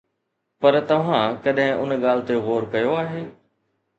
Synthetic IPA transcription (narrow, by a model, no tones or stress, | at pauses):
pɐɾt̪ɐʋ̤ãkɐɗɦɪ̃ʔʊnɠaːlt̪eɣoːɾkɐjoaːɦeː